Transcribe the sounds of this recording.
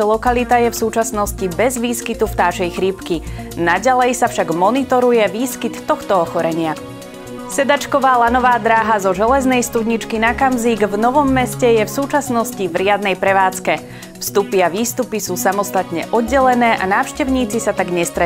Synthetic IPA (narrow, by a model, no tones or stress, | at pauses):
lɔkalit̪ajɛfsuːt͡ʃasnɔscibɛzʋiːskit̪uft̪aːʒɛjxɾipki | naɟalɛjsafʃaɡmɔnit̪ɔɾujɛʋiːskit̪ːɔxt̪ɔɔxɔɾɛɲɪa | sɛd̪at͡ʃkɔʋaːlanɔʋaːd̪ɾaːɦazɔʒɛlɛznɛjst̪ud̪ɲit͡ʃkinakamziːɡvnɔʋɔmːɛscɛjɛfsuːt͡ʃasnɔscivɾɪad̪̚nɛjpɾɛʋaːt͡skɛ | fst̪upiaʋiːst̪upisuːsamɔst̪at̪ɲɛ̰ʔɔd̪ɟɛlɛnɛːʔa̰naːʊʃcɛʊɲiːt͡sisat̪aɡɲɛst̪ɾɛ